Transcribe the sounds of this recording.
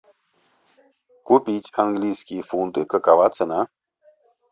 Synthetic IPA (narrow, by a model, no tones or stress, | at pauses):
kupʲitʲanɡlʲisʲkʲifunt̪ɨkəkavat̪t͡səna